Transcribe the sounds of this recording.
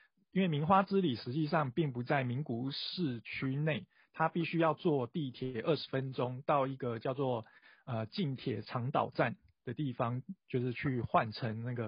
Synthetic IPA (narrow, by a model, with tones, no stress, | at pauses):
i˥nwe˥˩ɪmi˧˦˥nxwa˥t͡sɻ̩˦li˨˩ʂɻ̩˧˦t͡ɕi˥˧ʂ̬ɑ˥˧ŋpi˥˩ŋpu˨˦t͡sa˥˩ɪmi˨˦ŋku˧˦ʂɻ̩˥˩t͡ɕʰy˥ne˥˩ɪ | t̪ʰa˦pi˥˩ɕy˥jɑ˥˧ʊt͡swɔ˥˧t̪i˥˩t̪ʰjɛ˨˩ʔə˥˩ʂɻ̩˧˦fə˦nʈ͡ʂo˥˦ŋt̪ɑ˥˧ʊi˧˥ɡə˨t͡ɕjɑ˥˧ʊt͡swɔ˥˩ | ə˨˩t͡ɕi˥˩nt̪ʰjɛ˨˩ʈ͡ʂʰɑ˧˥ŋt̪ɑ̰˨˩ʊʈ͡ʂa˥˨n | d̪̥ə˩t̪i˥˩fɑ˧ŋt͡ɕjo˥˧ʊʂɻ̩˥˧t͡ɕʰy˥˧xwa˥˨˩nʈ͡ʂʰə˧˦ŋna˥˩ɡə˩